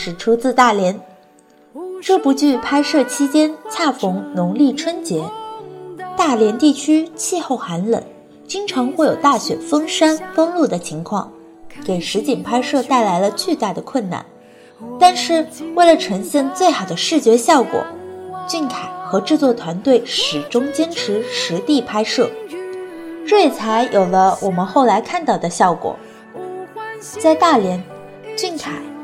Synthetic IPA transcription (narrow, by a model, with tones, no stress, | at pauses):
ʂɻ̩˨˩ʈ͡ʂʰu˧˥t͡sɹ̩˥˧t̪a˥˩ljɛ˧˥n | ʈ͡ʂɤ˥˩pu˧˥t͡ɕy˥˩pʰa˥ɪʂɤ˥˩t͡ɕʰi˥t͡ɕjɛ˥nt͡sʰa˥˩fʊ˧˥ŋnʊ˧˥ŋli˥˩ʈ͡ʂʰwə˥nt͡ɕjɛ˧˥ | t̪a˥˩ljɛ˧˥nt̪i˥˩t͡ɕʰy˥t͡ɕʰi˥˧xo˥˩ʊxa˧˥nlə̰˨˩˦n | t͡ɕi˥ŋʈ͡ʂʰɑ˧˥ŋxwe˥˩ɪjo˨˩ʊt̪a˥˩ɕɥɛ̰˨˩fɤ˥ŋʂa˥nfɤ˥ŋlu˥˩d̪ə˩t͡ɕʰi˧˥ŋkʰwɑ̰˥˩ŋ | ke˨˩ɪʂɻ̩˧˥t͡ɕi˨˩ŋpʰa˥ɪʂɤ˥˧t̪a˥˩ɪla˧˥ɪlə˧t͡ɕy˥˧t̪a˥˩d̪ə˩kʰwə˥˩nna̰˥˩n | t̪a˥˧nʂɻ̩˥˧we˥˩ɪlə˩ʈ͡ʂʰɤ˧˥ŋɕjɛ˥˧ŋt͡swe˥˩ɪxɑ˨˩ʊd̪ə˦ʂɻ̩˥˩t͡ɕɥɛ˧˥ɕjɑ˥˩ʊkwɔ̰˨˩˦t͡ɕy˥˩nkʰa˨˩ɪxɤ˧˥ʈ͡ʂɻ̩˥˧t͡swɔ˥˩t̪ʰwa˧˥nt̪we˥˩ɪʂɻ̩˨˩ʈ͡ʂʊ˥ŋt͡ɕjɛ˥nʈ͡ʂʰɻ̩˧˥ʂɻ̩˧˥t̪i˥˩pʰa˥ɪʂɤ˥˩ | ʈ͡ʂɤ˥˩jɛ˨˩t͡sʰa˧˥ɪjʔo˨˩ʊlə˦wʔɔ˨˩mə˧˦nxo˥˩ʊla˧˥ɪkʰa˥˧nt̪ɑ˥˩ʊd̪ə˩ɕjɑ˥˩ʊkwɔ̰˨˩˦ | t͡sa˥˧ɪt̪a˥˩ljɛ˧˥n | t͡ɕy˥˩nkʰa˨˩ɪ